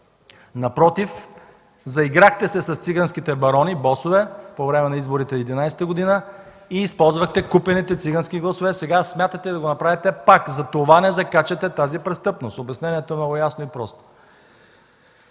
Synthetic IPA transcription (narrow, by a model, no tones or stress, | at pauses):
nɐpɾɔt̪if | zɐiɡɾaxt̪ɛsɛsɐst̪siɡanskit̪ɛbɐɾɔnibɔsovɛpovɾɛmɛnɐizboɾit̪ɛːd̪inajsɛ̥t̪əɡod̪inə | iːspɔlˠzvəxt̪ɛkupɛnit̪ɛt̪siɡanskʲiɡlˠɐsovɛsɛɡasmʲjat̪ət̪ɛd̪ɐɡonɐpɾavit̪ɛpakzɐt̪ovanɛzɐkat͡ʃɛt̪ɛt̪azipɾɛst̪ɤpnost̪obɛsnɛniɛt̪oɛmnɔɡʊjasnoipɾɔst̪o̥